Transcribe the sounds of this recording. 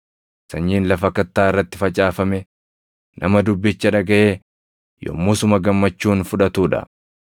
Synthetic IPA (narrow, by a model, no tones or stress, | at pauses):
sɐɲːiːnlɐfɐkɐt̪ːaːɪrːɐt̪ːɪfɐt͡ʃʼaːfɐmɛ | nʔɐ̰mɐd̪ʊbːɪt͡ʃːɐᶑɐɡɐʔeː | jɔ̰mːʊsʊmɐɡɐmːɐt͡ʃːuːnfʊᶑɐt̪uːᶑɐ̰